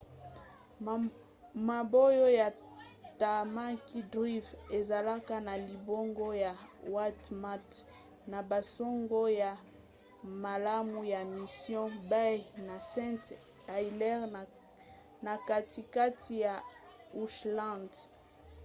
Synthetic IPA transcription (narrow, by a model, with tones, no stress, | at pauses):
ma˨bo˦jo˦ja˨ta˨ma˦ki˦dʁi˦ve˨za˨la˦ka˦na˨li˨bo˦ŋɡo˦ja˨wa˦tma˦t | na˨ba˨so˦ŋɡo˦ja˨ | ma˨la˦mu˨ja˨mi˨sjɔ̃˦ba˦jna˨sɛ̃˦t | a˨i˨lɛ˦ʁ | na˨ka˦ti˨ka˦tʰi˨ja˨ | u˨ʃlã˦˨nd